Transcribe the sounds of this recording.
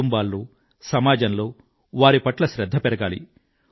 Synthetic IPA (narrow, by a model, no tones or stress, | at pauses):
umbaːlːoː | sɐmaːd͡ʒɐnlo̞ː | ʋaːɾipɐʈlɐʃɾɐd̪ʱːɐpɛɾɐɡaːlḭ